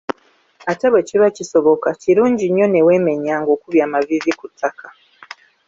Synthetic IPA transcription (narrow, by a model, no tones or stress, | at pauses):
ataβweciβaciso̞βo̞kaciɾuːɲɟiɲːo̞newe̞ːme̞ɲaːŋɡo̞ːkuβjaːmavizikutʰːaka